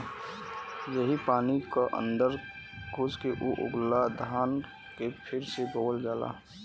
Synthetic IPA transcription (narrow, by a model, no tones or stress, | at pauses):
jəɦipaːnikaʔə̰̃nd̪əɾ | ɡʱʊd͡ʒkeʔoʔʊ̰ɡlad̪ʱaːn | kepʰɪɾseboːəld͡ʒaːla̰